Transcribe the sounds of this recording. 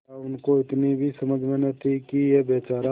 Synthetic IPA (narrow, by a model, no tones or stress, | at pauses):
aʊnkoɪt̪nibʱisɐməd͡ʒʱmenət̪ʰikijebeːt͡ʃaːɾa